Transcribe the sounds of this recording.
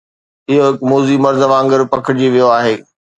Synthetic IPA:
ɪɦoɦɪkmoːzimɐɾzəʋãːŋɡəɾpɐkʰɪd͡ʑiʋijoaːɦeː

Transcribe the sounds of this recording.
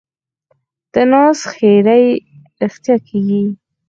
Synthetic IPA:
d̪̥ənɑsxeɾaj | ɾɪxt̪jɑkʰeɡi

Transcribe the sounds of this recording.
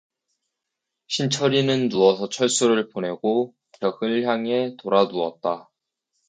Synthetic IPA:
ɕʰint͡ɕʰʌɾinɯnːuʌsʰʌt͡ɕʰʌɭs͈uɾɯɭponɦe̞ɡo | kjʌɡɯɭçjaŋe̞toɾaduʌt̚t͈a

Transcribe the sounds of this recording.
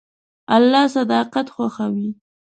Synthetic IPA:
alːɑsad̪ɑqat̪xwaxawi

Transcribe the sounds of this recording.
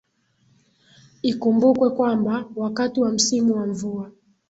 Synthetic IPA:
ikumbukwɛkwambawakatiwam̩simuwaɱvua

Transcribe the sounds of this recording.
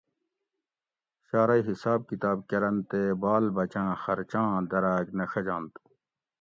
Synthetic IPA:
ɕaːɾɐiɦisaːb̚kit̪aːb̚kɐɾɐnt̪ebaːlbɐt͡ɕãːxɐɾt͡ɕãːd̪ɐɾaːɡnɐʂɐd͡ʑãːnt̪u̥

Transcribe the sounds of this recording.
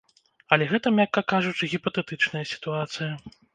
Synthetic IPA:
ɐlʲɛɣɛt̪ɐmʲakːɐkaʐut͡ʂɨɣʲipɐt̪ɛt̪ɨt͡ʂnɐjɐsʲi̥t̪uat̪sɨjɐ

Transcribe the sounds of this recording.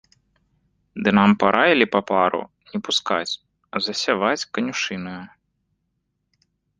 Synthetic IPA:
d̪ɨnampaɾʔajilʲipɐpaɾʊ̰ | nʲɛpuskat͡sʲ | ɐzɐsʲaʋat͡sʲkɐnʲuʂɨnɨjɐ

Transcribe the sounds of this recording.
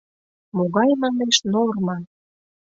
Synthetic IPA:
moɣɑjmɑneʃnormɑ

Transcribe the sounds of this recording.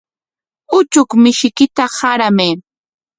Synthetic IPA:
ʊt͡ʃʊkmɪʃɪkɪt̪ahaɾameː

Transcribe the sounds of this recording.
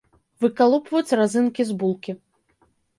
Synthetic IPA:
vɨkalˠɔpvɐjut͡sʲrazɨnkʲizbulˠkʲi

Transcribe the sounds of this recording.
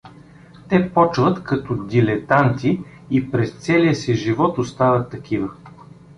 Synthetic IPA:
t̪ɛpɔt͡ʃvət̪kɐt̪ɔd̪ilɛt̪ant̪iː | pɾɛst̪sɛliəsɛʒivɔt̪ʊst̪avɐt̪ːɐkʰivə

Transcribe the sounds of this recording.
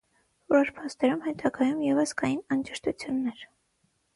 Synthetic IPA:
vɔɾɔɾpʰɑst̪ɛɾumhɛt̪ʰɑɡɑjumjɛvəskɑjinɑnd͡ʒɛʃt̪ʰut͡sʰjunːɛɾ

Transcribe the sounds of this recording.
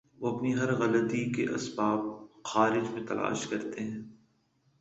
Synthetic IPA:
ʋoɐpniɦɐɾɣɐlət̪ikeʔɐ̰sbaːb̚xaːɾɪd͡ʒmẽt̪ɐlʔa̰ːʃkɐɾt̪eɦɛ̃ː

